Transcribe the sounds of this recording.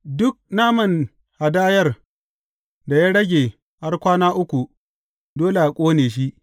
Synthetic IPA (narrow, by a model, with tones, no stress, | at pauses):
dʊ˦k̚naː˦mɐ˨n | ha˨daː˦jɐ˦r | da˨jaː˦ɽɐ˦ɡʲeː˨ | ha˦rkʷaː˦naː˦ʔʊ˦kʷu˨ | doː˦le˨ʔa˨kʷʼoː˦neː˨ʃ̬i˦ʔ